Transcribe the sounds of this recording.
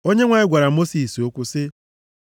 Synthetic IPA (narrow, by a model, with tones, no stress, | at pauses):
o˦ɲe˦ŋʷa˨ɪ˦ɡʷa˨ɾa˨mo˦si˨so˦kʷʊ˦sɪ˦